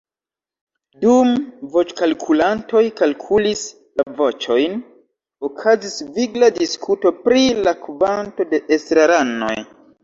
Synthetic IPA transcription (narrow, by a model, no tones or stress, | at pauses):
dumvo̞t͡ʃkalkʰulanto̞jkalkʰulis | lavo̞t͡ʃo̞jn | okʰazisviɡladiskʰuto̞pɾilakvanto̞de̞ʔestɾaɾano̞̰j